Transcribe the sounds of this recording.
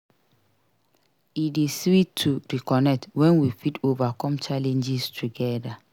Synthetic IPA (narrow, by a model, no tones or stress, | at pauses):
idesitʰːuɹikɔnɛk̚twɛ̃nwifidovakɔ̃mt͡ʃalɛ̃nd͡ʒistʰuɡɛda